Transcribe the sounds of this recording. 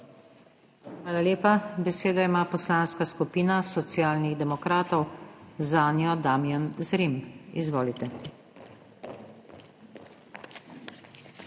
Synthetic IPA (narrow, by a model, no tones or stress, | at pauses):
xʋaːlaleːpabɛseːd̪aimaːpɔslaːnskaskupiːnasɔt̪sijaːlniɣd̪ɛmɔkɾaːt̪ɔwzaːnjɔd̪aːmjanzɾimizʋoːlit̪ɛ